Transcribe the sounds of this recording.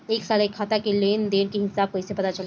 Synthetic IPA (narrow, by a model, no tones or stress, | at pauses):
eːksaːɾekʰːaːt̪akeleːnd̪eːnkiɦɪsaːb̚koɪsepɐt̪at͡ʃɐl